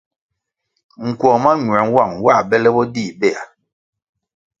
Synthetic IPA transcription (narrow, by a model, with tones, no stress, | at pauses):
ŋ̩˨kwɔ˨ma˦ɲwɛ˨n˦wa˦˨ŋwa˦˨bɛ˦lɛ˦bɔ˦di˦˨bɛ˦˨a˨